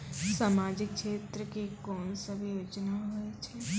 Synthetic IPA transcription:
saːmaːd͡ʒɪkʃeːt̪ɾəkekɔːnsəbʱijoːt͡ʃnaɦoet͡ʃʰɛ

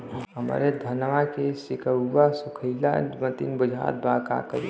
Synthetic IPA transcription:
əmə̰ɾed̪ʱənʋakesɪkəːasʊkʰəɪla̰mət̪ḭnbəd͡ʒʱa̰ːt̪̚baːka̰kəɾḭ

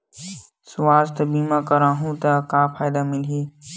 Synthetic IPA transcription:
sʊʋaːst̪biːmãːkɐɾãːɦũt̪ɐkãːpʰaːɪd̪amɪleː

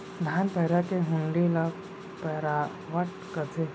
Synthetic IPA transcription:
d̪ʱaːnpɛɦɾakeɦʊ̃ɳɖila | pɛɦɾa | ʋəʈ | kət̪ʰe

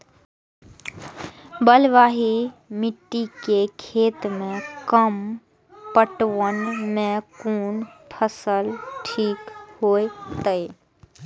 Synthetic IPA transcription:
bəlʋaːɦimɪʈːikekʰeːt̪mẽkəm | pəʈwənmẽkuːnpʰəsəlʈʰiːkhoːet̪əe

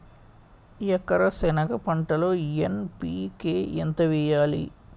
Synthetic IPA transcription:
jɛkːɐɾɐsɛnɐkɐpɐɳʈɐloːjenpiːkeːʔent̪ɐʋɛjaːlḭ

